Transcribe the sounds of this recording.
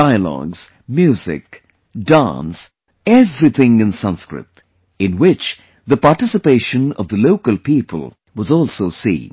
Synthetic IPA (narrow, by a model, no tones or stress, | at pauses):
aɪəlɔ̰ɡz̥ | mjʉzɪ̰k | dã̰ns | ɛvɾiθʰɪ̃ŋɨ̃nsʌ̃nskɹɪ̰t̪ | ɨ̃nwɪt͡ʃ | ðəpɑɹʈɪsɨpeɪʃɨ̃nʌvðəloʊkəlˠpipʰə̰lˠ | wʌzɔlˠsoʊsḭ̃n